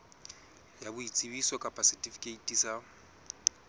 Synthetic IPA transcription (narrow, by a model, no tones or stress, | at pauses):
jabʊit͡sʼiβisɔkʼapʰʼasɛtʼifi̥kʼeitʼisa